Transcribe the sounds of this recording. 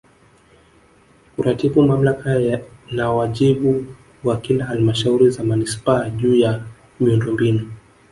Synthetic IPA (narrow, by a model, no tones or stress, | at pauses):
uɾatiɓumam̩lakanawaʄiɓu | wakilahalimaʃauɾizamanispaːʄuːja | miundɔmbinu